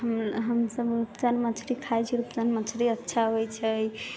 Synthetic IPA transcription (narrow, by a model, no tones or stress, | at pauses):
ɦəmɦəmsəbɾupt͡ʃanmət͡ʃʰɾikʰajt͡ʃʰiɾupt͡ʃanmət͡ʃʰɾiətːʃʰaɦojt͡ʃʰəj